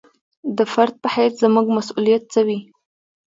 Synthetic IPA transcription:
d̪əfaɾd̪̚pəhajszəmuɡmasulijat̪̚t͡səwi

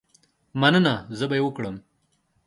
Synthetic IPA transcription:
mɐnənazəbajewəkɽəm

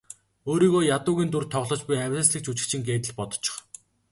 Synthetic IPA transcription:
oːɾiːɣoːjat̪ʊːɣʲiːnt̪urt̪ʰɔʁɮɞ̆t͡ɕpujæwʲə̆sɮɘ̆k̚t͡ɕut͡ɕɪ̆kt͡ɕʰɪ̆ŋɡeːt̪ɘ̆ɮpɔt̪ɞ̥̆t͡ɕʰɪ̥̆χ

